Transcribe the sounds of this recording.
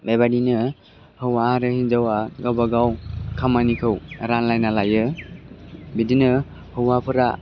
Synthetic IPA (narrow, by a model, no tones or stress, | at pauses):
bebadinɯ | hɯwaaɾɯhind͡ʒawaɡawbaɡawkʰamanikʰɯwɾanlajnalajɯ | bidinɯ | hɯwapʰɯɾa̰